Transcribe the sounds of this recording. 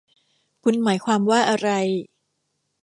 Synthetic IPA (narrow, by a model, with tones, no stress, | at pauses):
kʰu˧nmaː˩˦jkʰwaː˧mwaː˥˩ʔa˧ɾa˧j